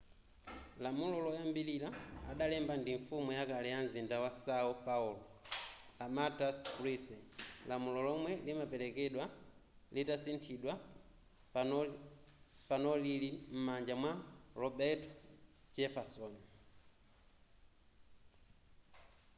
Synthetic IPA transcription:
lamulɔlɔjambililaa̰ɗalɛmbandiɱfumujakalɛjanzindawasaɔpaulɔlamataskɾisɛlamulɔlɔmwɛlimapɛlɛkɛɗwa | litasintʰiɗwa | panɔlilim̩mand͡ʒamwaɾɔbɛtɔd͡ʒɛfasɔn

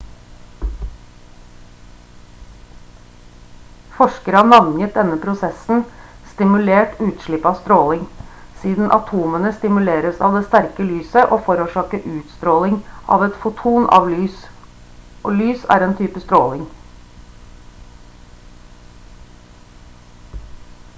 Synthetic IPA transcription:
fɔʃkəɾɑnɑŋjət̪̚d̪ɛnəpʰɾʊsɛsn̩ | st̪ɪmʉleːʈʉːt̪ʃɭɪpːɑːst̪ɾoːlɪŋsiːd̪n̩ʔɑ̰t̪ʰuːmənəst̪ɪmʉleːɾəsɑːʋd̪eːst̪æɾkəlyːsəʔoːfɔɾuːʃɑːkəʔʉːt̪st̪ɾoːlɪŋʔɑ̰ːʋɛt̪fʊt̪ʰuːnɑ̰ːʋlyːs | ʔoːlyːsæ̰ːɾeːnt̪ʰyːpəst̪ɾoːlɪŋ

